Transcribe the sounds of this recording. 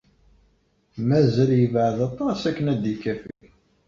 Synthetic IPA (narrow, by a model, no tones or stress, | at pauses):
mæzəljəvəʕðɑt̪ˤːɑsækːənæd̪ikːæfil